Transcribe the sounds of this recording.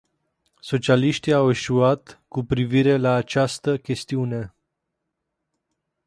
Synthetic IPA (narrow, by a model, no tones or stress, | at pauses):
so̞t͡ʃialiʃt̪iawe̞ʃuat̪kupɾiviɾe̞laːt͡ʃast̪əkʲe̞st̪iune̞